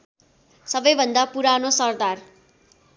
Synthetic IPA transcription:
sʌbʌjbʱʌnd̪apuɾanosʌrd̪ar

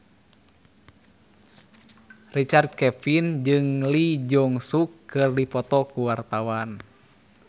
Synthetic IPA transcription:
rit͡ʃard̪̚kɛfind͡ʒɨŋlid͡ʒɔŋsukːɨrdipɔt̪ɔkuwart̪awan

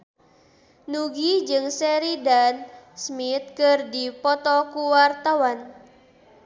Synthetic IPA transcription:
nuɡid͡ʒɨŋsɛɾidansmit̪̚kɨrdipɔt̪ɔkuwart̪awan

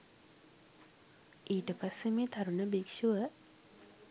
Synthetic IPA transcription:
ʔiːʈəpasːemeːt̪aɾunəbikʃuʋə

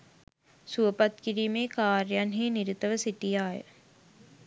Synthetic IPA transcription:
suʋəpat̪kiɾiːmeːkaːɾjanɦeːniɾit̪əʋəsiʈijaːjə̰

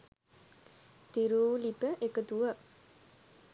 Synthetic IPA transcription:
d̪̥iɾulibəʔekəd̪uə

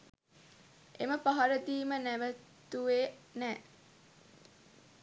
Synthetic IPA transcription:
ʔeməpaɦɐɾəd̪iːmənæʋə | t̪uʋeːnɛː

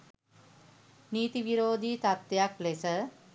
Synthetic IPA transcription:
niːt̪iʋiɾoːd̪iːt̪at̪ʋejaklesə

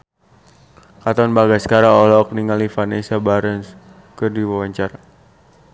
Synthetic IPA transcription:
kat̪ɔnbaɡasə̥kaɾaɔlɔk̚niŋalifanesabaɾəns | kɨrdiwawaɲt͡ʃaɾa

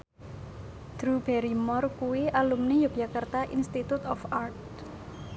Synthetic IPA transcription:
d̪̥ɾub̥ɛɾimɔrkuwiʔalumnijuk̚d͡ʒ̥akart̪aʔinst̪it̪ut̪ɔfart̪̚

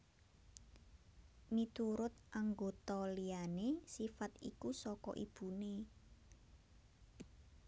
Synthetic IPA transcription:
mit̪uɾʊt̪̚ʔaŋɡot̪ɔlijanesifat̪ḭkusɔkɔ̰ʔib̥ṳne

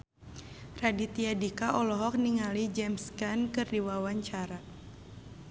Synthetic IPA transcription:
radit̪iadikaʔɔlɔɦɔk̚niŋalid͡ʒɛmskankɨrdiwawaɲt͡ʃaɾa

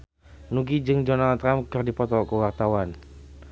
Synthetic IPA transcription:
nuɡid͡ʒɨŋdɔnalt̪ɾamkɨrdipɔt̪ɔkəwart̪awan

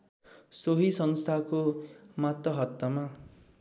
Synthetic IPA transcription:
soɦisʌnst̪ʰakomat̪ːʌɦʌt̪ːʌma

